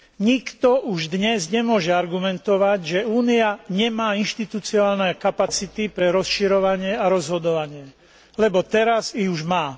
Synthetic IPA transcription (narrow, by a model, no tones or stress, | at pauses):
ɲikt̪ɔʔuʒd̪ɲɛzɲɛmʊɔʒɛaɾɡumɛnt̪ɔʋaɟʒɛuːniaɲɛmaːinʃt̪it̪ut͡siaːlnɛkapat͡sit̪ipɾɛɾɔsʃiɾɔʋaɲɪɛaɾɔzɦɔd̪ɔʋaɲɪɛ | lɛbɔt̪ɛɾaziuʒmaː